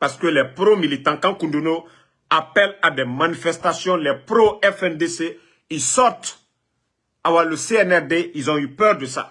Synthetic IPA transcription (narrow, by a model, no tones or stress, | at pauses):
paɾskəlɛpɾomilit̪ãkãkũndono | apɛladɛmanifɛst̪asjɔ̃lɛpɾoɛfɛndese | isɔɾt̪ | awaləseɛnɛɾdeilzɔ̃ypœɾdəsa̰